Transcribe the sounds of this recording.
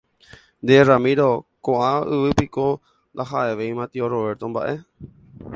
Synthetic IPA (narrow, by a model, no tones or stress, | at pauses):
nd̪eramĩɾo̞koʔãɨʋɨpiko̞ | nd̪aɦaʔe̞ʋeĩmãt̪ioɾoʋe̞ɾt̪õ̞mbaʔe̞